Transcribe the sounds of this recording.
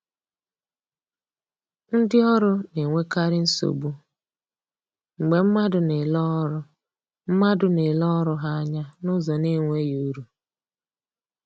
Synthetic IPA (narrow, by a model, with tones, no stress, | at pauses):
n̩˦dɪ˦ɔ˦ɾʊ˦ne˨ŋʷe˦ka˦ɾɪ˦n̩˦so̰˨bu˦ | ŋ͡m̩˨ɡ͡be˨m̩˦ma˦dʊ˨nɪ˨lɔ˦ɾʊ˦ | m̩˦ma˦dʊ˨ne˨lɔ˦ɾʊ˦ɦa˦ɲa˦nʊ˦zɔ˨ne˦ŋʷe˦jo˦ɾu˦